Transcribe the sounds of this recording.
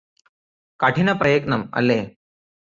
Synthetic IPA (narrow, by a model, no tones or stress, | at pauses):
kaʈinɐpɾɐjɐknɐmɐ̰lːeː